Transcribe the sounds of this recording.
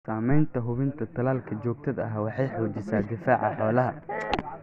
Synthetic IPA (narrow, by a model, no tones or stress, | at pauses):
saːmɛjnt̪ʰɐɦʊβɪnt̪ʰɐt̪ʰɐlaːlkʰɐt͡ʃɔːɡ̚t̪ʰɐðɐɦawɑħɑjħɔːt͡ʃɪsaːd̪ɪfaːʕɑħɔːlɐɦɐ